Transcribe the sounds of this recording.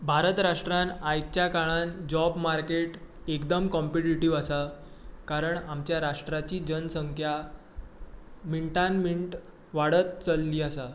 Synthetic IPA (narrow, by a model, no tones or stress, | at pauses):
bʱaɾət̪ɾaʂʈɾãnajt͡ɕjakaɭand͡ʑɔbmaɾkeʈ | ekd̪əmkɔmpiʈiʈiʋasa | kaɾəɳamt͡ɕjaɾaʂʈɾat͡ɕiːd͡ʑənəsəŋkʰja | miɳʈanmiɳʈ | ʋaɽət̪̚t͡səlːiːasa